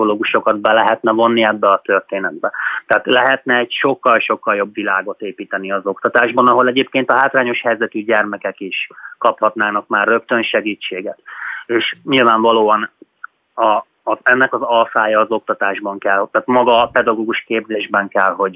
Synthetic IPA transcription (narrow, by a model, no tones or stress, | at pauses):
oloːɡuʃo̞kɒd̪bɛlɛɦɛt̪nɛvo̞nːiɛbːɛɒt̪ø̞rt̪eːnɛd̪̚bɛt̪ɛaːt̪lɛɦɛt̪nɛːɟʃo̞kːɒlʃo̞kːɒljo̞bvilaːɡo̞t̪eːpiːt̪ɛniɒzo̞kt̪ɒt̪aːʒbɒnɒɦo̞lɛɟeːp̚keːnt̪ɒɦaːt̪raːɲo̞ʃhɛjzɛt̪yɟɛrmɛkɛkiʃkɒphɒt̪naːnɒkmaːrːø̞kt̪ø̞nʃɛɡiːt͡ʃːeːɡɛt̪eːʃɲilvaːɱvɒloːɒn | ɒː | zɛnːɛkɒzɒlfaːjɒːzo̞k̚t̪ɒt̪aːʒbɒŋkɛlhot̪aːt̪mɒɡɒpɛd̪ɒɡoːɡuʃkeːbzeːʒbɛŋkɛlɦo̞ɟ